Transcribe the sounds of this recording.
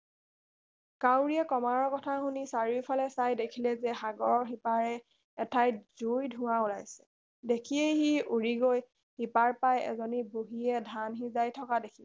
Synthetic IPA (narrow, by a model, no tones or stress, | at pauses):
kawɹiɛkɔmaɹɔɹkɔtʰaɦunisaɹiwpʰalɛsajdekʰilɛzɛxaɡɔɹɔɹxipaɹɛ | ɛtʰajz̥ujdʱʊ̃waulajsɛ̥ | dekʰiejɦiuɹiɡoj | hipaɹpajɛ̰zɔniboɦiɛdʱanɦizajtʰɔkadekʰi